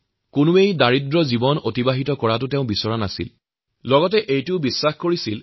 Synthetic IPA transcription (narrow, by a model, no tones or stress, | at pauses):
kʊnʊejdaɹidɹɔzibɔnotibaɦitɔkɔɹat̬ʊteʊ̃bisɔɹanasḭl | lɔɡɔtɛʔejtʊbisːaxkoɹisil